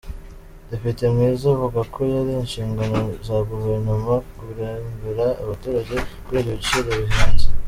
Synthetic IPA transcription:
depitemŋiːzavuɡakʰojaɾinʃiːŋɡano̞zaɡuveɾnumakuɾambiɾaːβatuːɾaɟe̞kwiɾoɟit͡ʃiɾaβiɦanzi̥

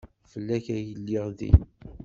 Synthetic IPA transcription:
fəlːæçæjəlːɪʁðḭ

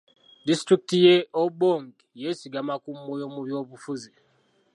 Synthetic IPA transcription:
distɾik̚tijeoboŋɡ | jesiɡamakumojomuβjoβufuzi

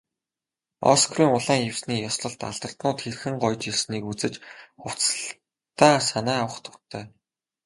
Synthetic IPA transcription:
ɔ̰skʰriːŋʊɮæːŋew̥sniːjɔsɮɞ̆ɬt̪a̰ɮt̪ə̆r̥t̪nʊːt̪xerxɘ̆ŋɢʊjt͡ɕiɮsniːkut͡sɘ̆t͡ɕʊw̥t͡sɮ | t̪aːsanæːawə̆χt̪ʰʊ̥rt̪ʰːæː

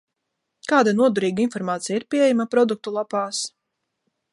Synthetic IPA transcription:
kaːd̪anuɔd̪uɾiːɡainfɔɾmaːt̪sijiɾpʲiɛɛjamapɾɔd̪uk̚t̪ulˠapaːs

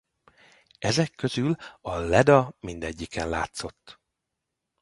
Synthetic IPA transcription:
ɛzɛkʰːøzylɒlɛd̪ɒmind̪ɛɟːikɛnla̰ːt̪so̞t̪ː

